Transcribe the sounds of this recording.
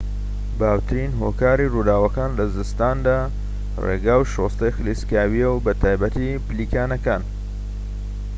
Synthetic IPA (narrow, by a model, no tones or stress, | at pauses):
baːwt̪ʰɨɾinɦokaːɾirud̪aːwɐkaːnlɐzɨst̪aːnd̪aː | rḛɡaːwʃoːst̪ɐjxɨliskaːwijɛwbɐt̪ʰaːjbɐt̪ʰipliːkaːnɐkaːn